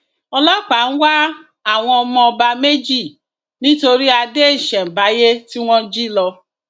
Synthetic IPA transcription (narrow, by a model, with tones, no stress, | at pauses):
ɔ˧lɔ˦k͡pa˨˦ñ̩˦wa˦ | a˦˨w̃ɔ̃˧ɔ˧mɔ̃˧ɔ˧ba˧me˦d͡ʒi˦˨ | nĩ˦to˧ɾi˦a˧de˦˨ʃɛ̃˨m̩˨ba˨˦je˦ti˦w̃ɔ̃˦d͡ʒi˦lɔ˧